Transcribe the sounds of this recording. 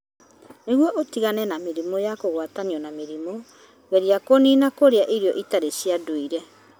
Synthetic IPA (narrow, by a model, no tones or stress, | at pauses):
neɣwɔʔotiɣanɛnameɾimɔjakoɣwataniɔnameɾimɔ | ɣɛɾiakoniːnakoɾeaʔiɾiɔʔitaɾesiadoiɾɛ